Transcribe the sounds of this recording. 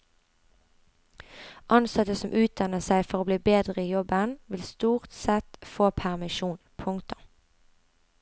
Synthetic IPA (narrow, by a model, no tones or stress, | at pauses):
ʔɑnsɑt̪əsɔmʔʉːt̪̚d̪ɑnəsæɪfɔʁoːbliːbeːd̪ʁəiːjɔbənʋɪlst̪uːʁt̪sɛt̪foːpʰæʁmɪʃuːnpʰʊŋt̪ɔ